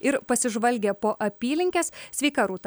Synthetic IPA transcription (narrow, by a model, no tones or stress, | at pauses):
ɪɾpɐsʲɪʒʋɐlʲɡʲeːpoːʔɐpʲiːlʲɪŋʲkʲeːssʲʋʲɛɪkɑːɾuːt̪ɐ